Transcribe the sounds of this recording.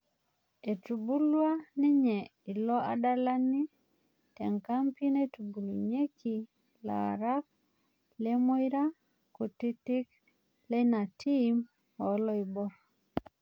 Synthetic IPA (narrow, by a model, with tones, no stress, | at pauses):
e˨tu˨bu˦lwa˦nɪ˦ɲɛ˨i˨lɔ˦a˦da˦la˦ni˦ | tɛ˨ŋka˦mpi˦ne˦tu˨bu˨lu˨ɲe˦ki˨ | la̰˨ɾa˦k̚ | le˦mo˦i˦ɾa˦ | ko˨ti˦ti˦k | le˦na˨tʰi˦m | ɔ˨˦lɔ˦i˨bɔ˦